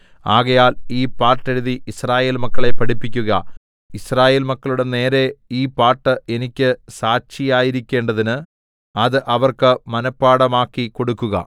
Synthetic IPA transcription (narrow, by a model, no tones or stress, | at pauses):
aːɣɐjaːliːpaːʈːɐɾiðiisraːje̞ːlmɐkːɐɭe̞pːɐɽipːikʲːuɣɐ̰ | israːje̞ːlmɐkːɐɭuɽe̞ne̞ːɾe̞iːpaːʈːɨe̞nikʲːɨsaːɕijaːjiɾikʲːe̞ːɳɖɐðinɨ | ɐðɨʔɐʋɐrkɨmɐnɐpːaːɽɐmaːkːiko̞ɽukːuɣɐ̰